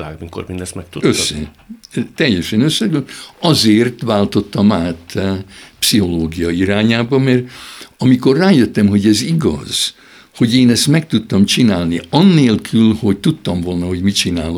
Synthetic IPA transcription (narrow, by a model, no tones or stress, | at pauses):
aːɡmiko̰ɾmind̪ɛsmɛk̚t̪uøsːɛ̰ | t̪ɛjːɛʃɛnøsːɛɡøɒzeːrt̪ʋaːlt̪o̞t̪ːɒmaːt̪ | psiɦo̞loːɡijɒiɾaːɲaːbɒmɛrɒmiko̞rraːjøt̪ːɛmɦo̞ɟɛziɡɒ̰z̥ | ho̞ɟeːnɛst̪mɛk̚t̪ut̪ːɒmt͡ʃinaːlniɒnːeːlkʰylho̞ɟt̪ut̪ːɒmvo̞lnɒho̞ɟmit͡ʃinaːlo